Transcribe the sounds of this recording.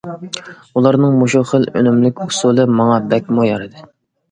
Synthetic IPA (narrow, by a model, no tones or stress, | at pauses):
ulˠɑɾnɨŋmoʃuχəlø̰nymlɪkʲusulˠɨmɑŋɑbɛkʲmujɑɾɨd̪ɨ